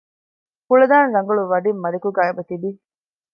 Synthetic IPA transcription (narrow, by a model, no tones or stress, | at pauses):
kuɭɐd̪aːnɾɐŋɡɐɭuʋɐɖimːɐɾikuɡaːebɐt̪ibi